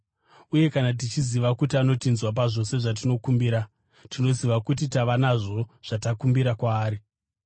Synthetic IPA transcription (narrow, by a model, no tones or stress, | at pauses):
uje̞kanat̬it͡ʃiziʋakutiano̞tinzwap̬aʐo̞se̞ʐat̬ino̞kumbiɾa | tino̞ziʋakut̬itaʋanaʐo̞ʐ̥atakumbiɾakwaːɾi